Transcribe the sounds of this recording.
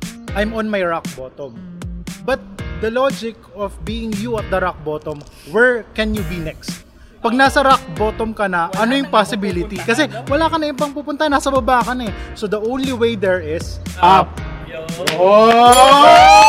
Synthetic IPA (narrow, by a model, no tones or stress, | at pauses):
ʔajmɔ̃nmɐjɹak̚bot̪ɔmbɐt̪̚d̪ɐlod͡ʒɪkɔvbiːɪŋjuɐt̪̚d̪ɐɾak̚bot̪ɔm | wɛɹkɛnjubinɛkst̪̚ | pɐɡ̚naːsɐɾak̚boːt̪ɔmkɐnɐʔɐnojʊŋpasɪbilɪt̪ikɐsɛwɐlaːkɐnɐʔɪbɐŋpuːpʊnt̪anɐsɐbɐbaːkɐnɛsod̪ɐʔõw̃nliwejd̪ɛɹɪsap | oo